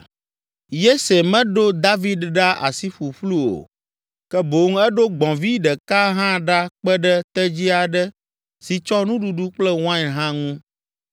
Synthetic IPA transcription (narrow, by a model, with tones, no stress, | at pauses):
je˦se˨mɛ̃˦ɖo˦d̪a˦vi˦dɖa˦ʔa̰˨si˦ɸu˨ɸlu˦o̰˨ | kɛ˦bo˨˦ŋ˦ɛ˦ɖo˦ɡ͡bɔ̃˨vi˦ɖɛ˨ka˦ɦã˦ɖa˦k͡pɛ˦ɖɛ˦t̪ɛ˦d͡ʑi˦a˨ɖɛ˦ | si˨t͡ʃɔ˦nũ˦ɖu˨ɖu˦k͡plɛ˦w̃ã˦ɛ˨ɦã˦ŋũ˦